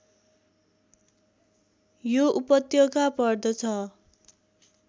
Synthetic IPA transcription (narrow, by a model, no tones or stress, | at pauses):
joʔupʌt̪joɡapʌrd̪ʌt͡sʰʌ